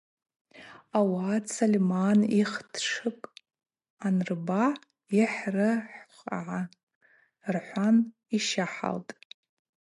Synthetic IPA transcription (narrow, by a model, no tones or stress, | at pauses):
awaːsalʲmaniχtʰʂɨkʼ | anrba | iħrɨħχʕa | rħʷan | iʃaħa̰ltʼ